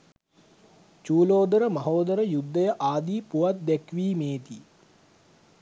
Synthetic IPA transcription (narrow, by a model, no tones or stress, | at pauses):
t͡ʃuːloːd̪əɾəmɐɦoːd̪əɾəjud̪ːəjəʔaːd̪iːpuʋat̪̚d̪ɛkʋiːmeːt̪i